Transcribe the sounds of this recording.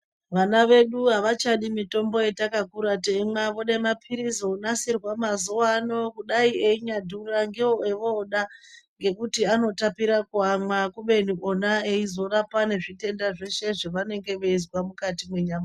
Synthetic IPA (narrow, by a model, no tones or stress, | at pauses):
ʋanaʋe̞ɗuɦaʋat͡ʃaɗimito̞mbo̞etakakuɾatemaʋo̞ɗaimapʰiɾizounasirwamazuwano̞kuɗaieiɲadʱuraŋɡeoeʋoɗaŋɡe̞kutiano̞tapiɾakuamakuɓe̞niʔonaeizo̞rapane̞ʐite̞ndaʐe̞ʃe̞ʐeʋane̞ŋɡe̞ʋe̞izwamukatimwe̞ɲaːma